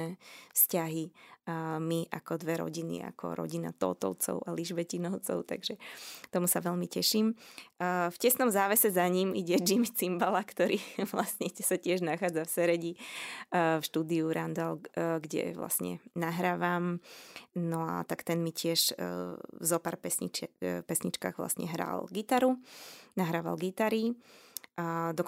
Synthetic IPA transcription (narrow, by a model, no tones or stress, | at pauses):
ɛːfscaɦi | miʔakɔd̪ʋɛɾɔ̰ɟinḭa̰kɔ̰ɾɔ̰ɟina̰t̪ɔ̰t̪ɔ̰ʊt͡sɔ̰ʊʔaliʒʋɛcinɔʊt͡sɔ̰ʊt̪a̰ɡʒɛt̪ɔmusaʋɛʎmicɛʃiːmː | fcɛsnɔmzaːʋɛsɛzaɲimiɟɛd͡ʒimit͡simbalakt̪ɔɾiːʋlasɲɛsacɪɛʒnaxaːd͡zafsɛɾɛɟi | fʃt̪uːd̪iuɾand̪alɡɟɛ̰ʋla̰sɲɛ̰naɦɾaːʋaːm | nɔa̰t̪akt̪ɛnmicɪɛʃ | zɔpaːɾpɛsḭt͡ʃpɛsɲit͡ʃka̰ːɣʋla̰sɲɛ̰ɦɾa̰lɡit̪aɾunaɦɾaːʋa̰lɡit̪aɾi | d̪ɔk